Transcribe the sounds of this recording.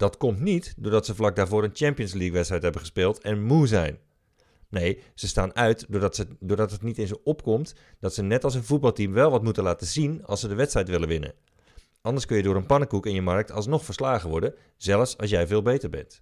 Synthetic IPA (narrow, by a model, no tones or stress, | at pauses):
d̥ɑtkɔmtnitdʊːɹdɑtsəflɑk̚daːɹvʊːɾənt͡ʃɛmpijənslikʋɛtsrɛjtɦɛbənxə̥spɪːlˠtɛnmuzɛ̰jn | nejz̥əstaːnœɥtədʊːrdɑtɦətnitɪnzoɔpkɔmtd̥ɔtsənɛtɑlˠs̬ənvut̚bɑlˠtimʋɛlˠʋɑtmutənlaːtəzinɑ̰lˠsədəʋɛtstrɛjtʋɪləʋɪnə̰ | ʔɑndərskønjədʊːɾənpɑnəkukɪnjəmɑrk̚tʰɑlˠsnɔxfəɹslaːɣəʋɔɹdə | z̥ɛlˠəfsɑ̰lˠsjɛjvɪːlˠbejtərɹbɛ̰nt